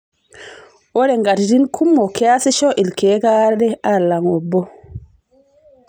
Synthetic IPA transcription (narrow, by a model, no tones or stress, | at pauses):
ʔɔɾɛŋɡaɾdinkʰumːɔkʰɛasiʃɔʔilkɛːkaɾdɛaɾlaŋɔbːɔ